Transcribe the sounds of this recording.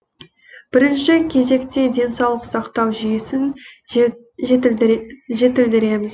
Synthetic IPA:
b̥ɪɾɪnʃɪkʲʰe̞ze̞kt̪e̞d̪e̞nsɑwlˠəqsɑqt̪ɑwʒʏjɪsɪn | ʒe̞t̪ɪld̪ɪɾe̞mɪz

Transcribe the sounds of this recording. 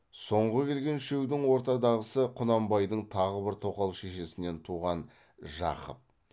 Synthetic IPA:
so̞ɴʁəkʲʰe̞lɡʲe̞nʃe̞wd̪ɪŋwo̞ɾt̪ɑd̪ɑʁəsəqʰʊnɑmbɑjd̪əɴt̪ʰɑʁəbɪɾt̪ʰo̞qɑlˠʃe̞ʃe̞sɪne̞nt̪ʰuʁɑn | ʒɑ̰qə̰p̚

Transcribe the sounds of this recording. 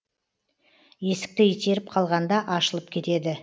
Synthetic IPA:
je̞sɪ̥k̚t̪ɪit̪e̞ɾɪp̚qʰɑlˠʁɑnd̪ɑʔɑʃəlˠəp̚kʲʰe̞t̪e̞d̪ɪ

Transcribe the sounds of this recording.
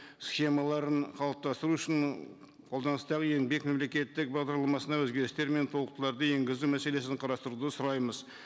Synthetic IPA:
sχe̞mɑlˠɑɾəɴqʰɑlˠəp̚t̪ɑst̪əɾuʏʃɪn | qʰo̞lˠd̪ɑnəst̪ɑʁəje̞ŋbe̞kme̞mle̞kʲe̞t̪ːɪk̚bɑʁd̪ɑɾlˠɑmɑsənɑwɵzɡʲe̞ɾɪst̪e̞ɾme̞nt̪ʰo̞lˠəq̚t̪əlˠɑɾd̪əje̞ŋɡʲɪzumæse̞le̞sɪɴqʰɑɾɑst̪əɾud̪əsʊɾɑjməz

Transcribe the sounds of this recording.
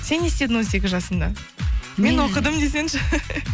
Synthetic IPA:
se̞ne̞st̪e̞d̪ɪnwze̞kʲɪʒɑsənd̪ɑ | menwoqəd̪əmd̪e̞s̬e̞nʃɪ

